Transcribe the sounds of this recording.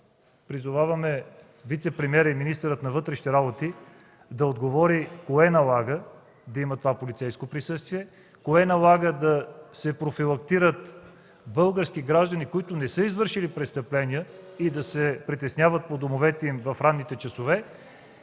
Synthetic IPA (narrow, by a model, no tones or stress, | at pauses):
pɾizʊvavɐmɛ | vit̪sɛpɾɛmiɛɾiminist̪ɛɾət̪nɐvɤt̪ɾɛʃi̥t̪ɛɾabot̪i | d̪ɐod̪ɡovɔɾikoɛnɐlˠaɡə | d̪ɐimət̪ovapolit̪sɛjskopɾisɤst̪viɛ | koɛnɐlˠaɡəd̪ɐsɛpɾofilˠɐkt̪iɾət̪ | bɤlˠɡəɾsk̟iɡɾaʒd̪ənikoit̪ʊnɛsəizvɤɾʃilipɾɛt̪st̪əplɛniəid̪ɐsɛpɾit̪ɛsnʲjavət̪̚pod̪omovɛt̪ɛimvɐfɾanːit̪ɛt͡ʃɐsovɛ